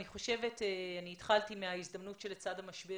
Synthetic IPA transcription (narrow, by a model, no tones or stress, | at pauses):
niχo̞ʃe̞veteaniːtχaltimeaizd̪ɐmnutʃelet͡sadhamɐʃbe